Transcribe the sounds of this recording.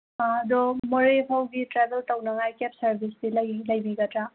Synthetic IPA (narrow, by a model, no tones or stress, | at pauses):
ɐd̪ɔmoɾeɦawɡitɾebʱeltɐwnɐŋajkep̚sɐɾbʱisdiljlɐjbiɡɐtɾa